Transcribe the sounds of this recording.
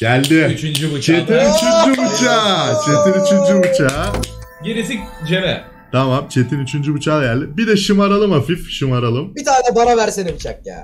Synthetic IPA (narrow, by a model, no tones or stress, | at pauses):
ɟælʲd̪ɪyt͡ʃynd͡ʒybut͡ʃʰt͡ʃet̪ʰinyt͡ʃʰynd͡ʒybut͡ʃʰaːt͡ʃʰet̪inyt͡ʃʰynd͡ʒybut͡ʃʰaːɟiɾis̬ik̚d͡ʒemɛ | t̪ʰamamt͡ʃʰe̞t̪ʰinyt͡ʃʰynd͡ʒybut͡ʃʰaːɟælʲd̪ɪbid̪ɛʃɯmaɾalˠɯmhafifʃɯmaɾalˠɯmbit̪ʰaːnɛbanavæɾsenemit͡ʃʰak̚ja̰ː